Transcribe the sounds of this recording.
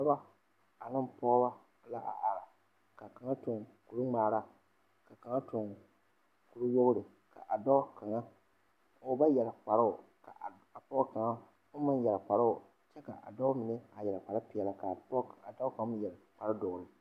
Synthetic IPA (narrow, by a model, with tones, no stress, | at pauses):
na˦ba˦ | a˨nɨ˦mpɔ˦ɡba˦ | la˦ʔa̰˨ʔa˨ɾa˨ | ka˨ka˨ŋa˦tʊ˨ŋku˨ɾu˦ŋ͡maː˨ɾa˦ | ka˨ka˨ŋa˦tʊ˨ŋ | ku˨ɾu˦wo˦ɣʊ˦ɾɪ˨ | ka̰˨ʔa˨dɔ˦ka˨ŋa˦ | o˦ba˦jɛ˨la˨k͡pa˨ɾa˦ʊ˨ka̰˨ | a˨pɔ˦ka˨ŋa˦ | o˦mɨ˦njɛ˨la˨k͡pa˨ɾa˦ʊ˨ | t͡ʃɛ˦ka̰˨ʔa̰˨dɔ˦mɪ˨nɪ˦a˨jɛ˨la˨k͡pa˨ɾa˦pɪ˨ɛ˨la˨ka˨˦a˨dɔ˦ka˨ŋ˦m˦jɛ˨lk͡pa˨ɾa˦dʊ˨ɾɨ˨